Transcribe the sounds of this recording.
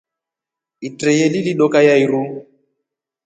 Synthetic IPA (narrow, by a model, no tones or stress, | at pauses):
itɾɛjɛliliɗɔkajaiɾu